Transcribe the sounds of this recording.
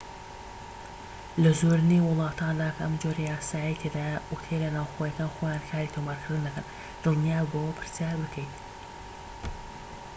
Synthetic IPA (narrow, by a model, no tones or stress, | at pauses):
lɐzoɾɨniwʊlˠɑːt̪ʰand̪aːkʰʔɐmd͡ʒoɾejaːsaːjijt̪ʰed̪ajʔut̪ʰelɐnaːwxoːjɐkaːnxoːjaːnkʰaːɾit̪ʰomaːɾkʰɨɾd̪unːɐkɐn | d̪̥ɨlˠnijaːbowpʰɨɾsjaːɾbɨkʰəjt̪